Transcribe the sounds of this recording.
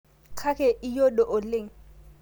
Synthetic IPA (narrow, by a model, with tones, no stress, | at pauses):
kʰa˦kʰɛ˨ʔɪ˦jo˦dɔ˨ʔʊ˨le˦˨ŋ̩˨